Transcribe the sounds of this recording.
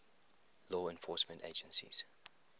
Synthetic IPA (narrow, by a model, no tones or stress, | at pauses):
lɔːɛ̃nfɔːˑsmə̃nteɪd͡ʒə̃nsḭz̥